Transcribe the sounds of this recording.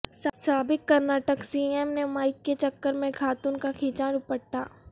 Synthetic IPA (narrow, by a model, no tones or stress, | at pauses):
ssaːbɪkːɐɾnaːʈəksiːɛmnemaːɪkːet͡ʃɐkːəɾmẽkʰaːt̪unkakʰeːt͡ʃaːnʊpəʈːa̰ː